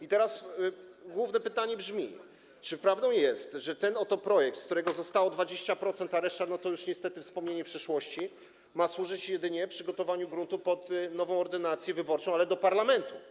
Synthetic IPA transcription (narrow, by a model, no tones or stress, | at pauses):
it̪ɛɾas | ɡwuvnɛpɘt̪aɲɛbʐmʲi | t͡ʂɘpɾavd̪ɔ̃w̃jɛst̪ʐɛt̪ɛnɔt̪ɔpɾɔjɛk̚t̪skt̪uɾɛɡɔzɔst̪awɔd̪vad͡ʑeɕt͡ɕapɾɔt̪sɛnt̪aɾɛʂt̪anɔt̪ɔjuʂɲɛst̪ɛt̪ɘfspɔmɲeɲɛpʂɛʂwɔɕt͡ɕi | maswuʐɘt͡ɕjɛd̪ɘɲɛpʂɘɡɔt̪ɔvaɲuɡɾunt̪upɔt̪nɔvɔ̃w̃ɔɾd̪ɘnat̪sʲjɛvɘbɔɾt͡ʂɔ̃w̃alɛd̪ɔpaɾlamɛnt̪u